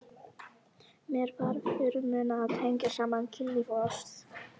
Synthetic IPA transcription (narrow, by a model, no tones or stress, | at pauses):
mɛɾvaɾfɪːɾʏmʏːnaːðt̪ʰɛjɲcasaːmancʰɪlːivɔɾs